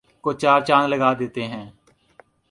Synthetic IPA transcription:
koːt͡ʃaːɾt͡ʃaːnləɡaːd̪eːt̪eːɦɛ̃ː

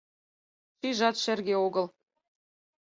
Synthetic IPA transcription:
ʃiʒɑt̪ʃĕrɣeoɣɤ̆l

